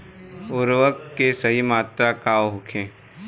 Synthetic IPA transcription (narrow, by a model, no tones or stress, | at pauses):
ʊɾʋəkːesɐɦimaːt̪ɾakaːwɦʊkʰẽː